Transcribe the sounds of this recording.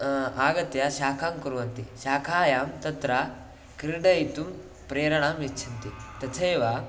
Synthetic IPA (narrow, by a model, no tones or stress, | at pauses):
aːɡɐt̪jaʃaːkʰaːmkuɾuʋɐnt̪iʃaːkʰaːjaːmt̪ɐt̪ɾa | kɾiɾɖɐjit̪um | pɾeːɾɐɳaːmjet͡ʃʰɐnt̪it̪ɐt̪ʰɐːʋa